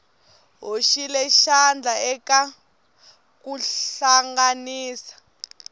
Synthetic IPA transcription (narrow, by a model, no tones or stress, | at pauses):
ɦoʃilɛʃand͡ɮʱaɛka | kuɬaŋɡaniːsḁ